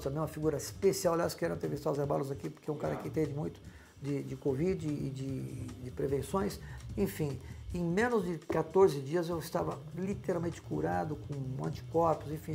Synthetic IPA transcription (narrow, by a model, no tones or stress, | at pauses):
t̪ɐ̃mbẽj̃umɐfiɡuɾɐɪspesiawaljaskɪɛɾɐ̃t̪eɾvist̪awzeba̰lʊzakipoɾkeũkaɾɐakit̪ẽvɪmũj̃t̪ʊ̥ | d͡ʒɪd͡ʒɪkovid͡ʒɪɪd͡ʒɪd͡ʒɪpɾevẽsõj̃sẽfĩẽj̃mẽnʊzd͡ʒɪkat̪oɾzɪd͡ʒiɐzewɪst̪avɐlit̪eɾawmẽt͡ʃɪ̥kuɾad̪ʊkõɐ̰̃nt͡ʃi̥kɔɾpʊzẽfĩ